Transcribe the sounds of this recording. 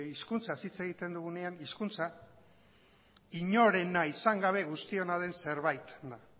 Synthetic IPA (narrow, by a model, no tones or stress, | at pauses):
iskunt͡sasit͡se̞ɣ̞it̪e̞nd̪uɣ̞une̞aniskunt͡sa | iɲo̞ɾe̞naisaŋɡaβ̞e̞ɣ̞ust̪io̞naðe̞nse̞ɾβajt̪nd̪a